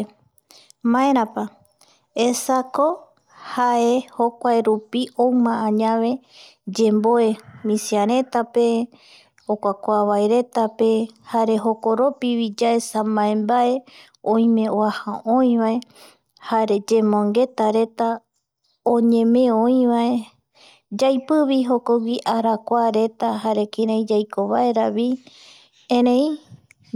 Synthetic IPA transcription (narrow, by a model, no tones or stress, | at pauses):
mãeɾ̃ãpa | esako̞ | haeho̞kʷaeɾupiowmãːɲãʋe̞ | d͡ʒe̞mboe̞mĩsiaɾ̃e̞t̪ape | okʷakʷaβaeɾe̞t̪ape̞haɾe̞ɦo̞ko̞ɾo̞piβid͡ʒaesamãẽmbae̞ | õj̃mẽ̞oahãõj̃βae̞ | haɾe̞d͡ʒe̞mõŋɡe̞t̪aɾe̞t̪a | õɲẽ̞mẽõj̃βae | d͡ʒajpɨβiɦo̞koɡʷiʔaɾakʷaɾe̞t̪aɦaɾe̞kĩɾãj̃d͡ʒajkoβaeɾaβi | ẽɾẽj̃